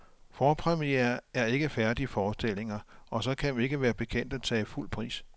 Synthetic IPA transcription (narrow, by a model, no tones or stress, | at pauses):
fɒːpʰʁɛmieɐæɐe̝ɡ̥əfæɐd̥ifɒːsd̥e̝l̰e̝ŋɐʔɒ̽sɒ̽kʰæʋe̝ɡ̥əʋæːɐb̥e̝kʰen̰d̥æt͡sʰɛːiful̰pʰʁḭːs